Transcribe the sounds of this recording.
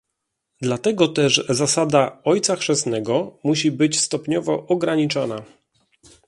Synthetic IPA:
d̪lat̪ɛɡɔt̪ɛʐzasad̪aɔjt̪saxʂɛsnɛɡɔmuɕibɘt͡ɕst̪ɔpɲɔvɔʔɔɡɾaɲit͡ʂɔna

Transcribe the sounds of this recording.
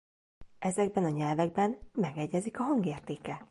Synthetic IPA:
ɛzɛɡbɛnɒɲɛlvɛɡ̚bɛnmɛɡɛɟːɛzikɒɦɒŋɡeːrt̪eːkɛ

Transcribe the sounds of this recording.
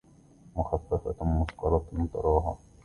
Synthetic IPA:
mʊxafːafa̰mʊsqɑɾˤɑmʊt̪ɑ̰ɾˤɑːɦa̰

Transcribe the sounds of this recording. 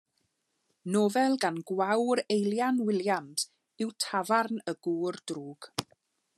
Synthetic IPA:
noːvɛlˠɡanɡwawɾejlˠjanwɪlˠjams | ɪwtʰavarnəɡ̥uːrdruːɡ̥

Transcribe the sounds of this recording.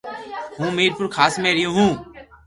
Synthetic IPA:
hũːmeːɾpʊɾkʰaːsmẽːɾɪjõːɦũː

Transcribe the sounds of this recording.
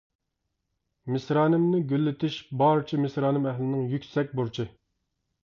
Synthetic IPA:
mɪsɾɑːnɪmnɪɡʲølːɪt̪ʰɪʃbɑɾt͡ʃʰimɪsɾɑːnɪmɛɦlɪnɪŋjykʲsɛk̚ʲbuɾt͡ʃʰɪ

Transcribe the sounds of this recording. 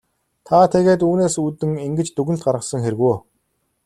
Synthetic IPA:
t̪ʰat̪ʰeɣeːt̪uːneːsuːt̪ɘ̆ŋiŋɡɘ̆t͡ɕt̪uɣɘ̆nt̪̚ɢaɾʁə̆sə̆ŋxeɾɘɣuj

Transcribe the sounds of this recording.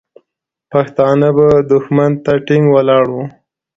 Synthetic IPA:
paxt̪ɑnəbad̪ʊxmant̪aʈɪŋɡwalɑɽu

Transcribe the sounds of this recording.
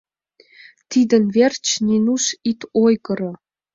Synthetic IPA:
t̪id̪ə̆nvert͡ɕnʲinuʃit̪ojɣɤ̆ɾɤ̆

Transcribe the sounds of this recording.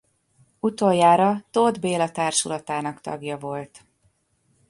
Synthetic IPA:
ut̪o̞jjːaːɾɒt̪od̪beːlɒt̪aːrʃulɒt̪aːnɒkt̪ɒ̰ɡjɒvo̞lt̪

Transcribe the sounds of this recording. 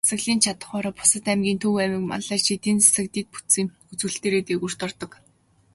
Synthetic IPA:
ḁsə̆ɣɮiːnt͡ɕʰat̪ə̥̆χɔːɾɔːpʊ̥sə̆t̪æmɡʲiːnt̪ʰuwæmɪ̆kma̰ɮæːrt͡ɕʰit̪eːnt͡sʰḁsɘ̆k̚t̪iːt̪̚pu̥t̪siːŋ | ut͡sɘ̆ɬt̪eːɾeːt̪eːkur̥t̪ɔ̆rt̪ɞ̆k

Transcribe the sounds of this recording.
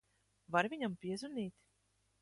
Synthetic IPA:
vaɾvʲiɲampʲiɛzuniːt̪ʲ

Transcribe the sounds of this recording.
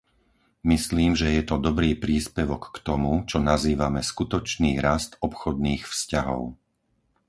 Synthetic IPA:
misliːmʒɛjɛt̪ɔd̪ɔbɾiːpɾiːspɛʋɔkːt̪ɔmut͡ʃɔnaziːʋamɛskut̪ɔt͡ʃniːɾast̪ɔpxɔd̪̚niːxfscaɦɔ̰ʊ

